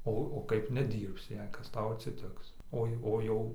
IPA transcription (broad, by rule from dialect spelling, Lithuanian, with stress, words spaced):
ˈoː oː ˈkɐɪp nʲɛˈdʲiːrʲpʲsʲɪ jɛɪ ˈkɐs ˈtɐʊ ɐtʲsʲɪˈtʲɪks ˈoːɪ ˈoː jɛʊ